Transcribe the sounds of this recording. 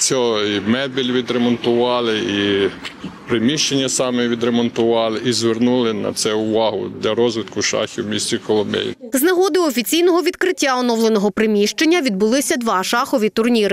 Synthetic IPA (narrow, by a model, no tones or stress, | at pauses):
sʲɔimɛd̪̚bʲilʲʋʲid̪ɾemɔnt̪ʊʋɑlˠɪi | pɾemʲiʃt͡ʃenʲːɐsɑmɛʋʲid̪ɾemɔnt̪ʊʋɑlˠɪʔizʋernulˠɪnɐ̰t̪sɛʊʋɑɦʊ̰d̪lʲɐɾɔzʋɪt̪kʊʃɑ̰xʲiwmʲisʲt͡sʲikɔlˠɔmbɛ̰j̰nznɐɦɔd̪ɪɔfʲit͡sʲijnɔɦɔʋʲid̪kɾɪtʲːaɔnɔwlˠenɔɦɔpɾɪmʲiʃt͡ʃenʲːɐʋʲid̪̚bʊlˠɪsʲɐd̪ʋɑʃɑxɔʋʲit̪ʊrnʲiɾɪ